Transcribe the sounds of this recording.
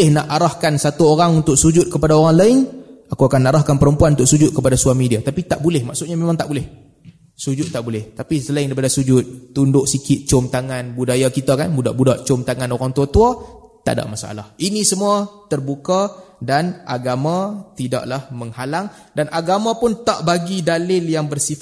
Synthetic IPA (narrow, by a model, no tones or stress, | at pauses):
ɪhnaʔaɾahkansat̪uoɾaŋunt̪ʊk̚sud͡ʒʊt̪̚kəpadaoɾaŋlaɪnakuakanːaɾahkanpəɾəmpuanunt̪ʊʔsud͡ʒʊt̪̚kəpadasuamidiat̪apit̪aʔbulɛhmaʔsʊt̪̚ɲamemãŋt̪aʔbulɪh | sud͡ʒʊt̪̚ːaʔbulɛht̪apisəlaɪŋdaɾipadasud͡ʒʊt̪̚ːundʊʔsikɪt̪̚t͡ʃʊmt̪aŋanbudajakit̪akanbuda̰ʔbudaʔt͡ʃʊmt̪aŋanoɾaŋt̪uat̪uat̪a̰da̰ʔmasaʔa̰lahinisəmuat̪ərbukadanʔaɡamãt̪ida̰ʔlahməŋhalaŋ | danʔaɡamãpʊnt̪aʔbaɡidalɪljaŋbərsif